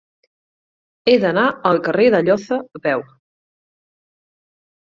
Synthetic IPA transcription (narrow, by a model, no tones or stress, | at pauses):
eðənaəlˠkəreðəʎɔθəβɛw